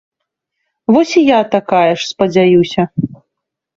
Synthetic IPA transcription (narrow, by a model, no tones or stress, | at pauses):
vɔsʲijat̪akajɛʂspɐd͡zʲajuwsʲɐ